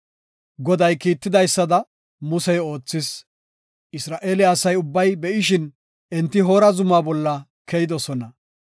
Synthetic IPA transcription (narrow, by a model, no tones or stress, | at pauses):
ɡɔd̪ɐjkiːt̪ːɪd̪ɐjsːɐd̪ɐ | mʊsɛjo̞ːt͡sːɪs | ʔɪsɾaːʔeːlɪːsɐjʊbːɐjbɛʔɪʃɪn | ʔɛnt̪ːɪɦo̞ːɾɐzʊmaːbɔlːɐ | kɛjɪd̪ɔsɔnɐ